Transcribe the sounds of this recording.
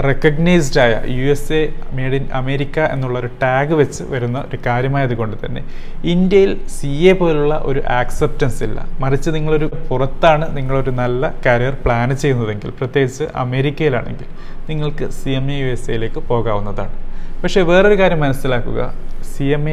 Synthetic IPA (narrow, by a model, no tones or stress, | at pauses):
rekːɐɡnɐjsɖaːjɐ̰juesemeːɽinɐme̞ːɾikʲːɐʔe̞̰nːuɭːɐoɾuʈaːɡɨʋe̞t͡ɕːɨ̰ʋɐɾunːɐo̞̰ɾukaːɾjɐmaːjɐðuɣo̞ɳɖɨt̪ɐnːe̞̰ | indjɐjilsieːpo̞ːluɭːɐʔo̞̰ɾuʔaːksep̚tɐnsilːɐ̰mɐrit͡ɕːɨniŋːɐɭo̞ɾupurɐt̪ːaːɳɨniŋːɐɭo̞ɾunɐlːɐkɐɾijɐrpɭaːnɨt͡ɕe̞junːɐðe̞ŋɡḭlprɐt̪jeːɡit͡ɕːɨʔɐ̰me̞ːɾikʲːɐjila̰ːɳe̞̰ŋɡil | niŋːɐɭkɨsijemejueseːjile̞ːkːɨpo̞ːɣaːʋunːɐða̰ːɳɨpɐkʂe̞ːʋe̞ːro̞ɾukaːɾjɐmːɐnɐsilaːkːuɣɐ̰sieme